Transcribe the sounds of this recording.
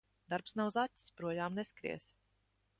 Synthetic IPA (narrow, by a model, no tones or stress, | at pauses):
d̪aɾpsnawzatʲspɾuɔjaːmneskɾḭɛs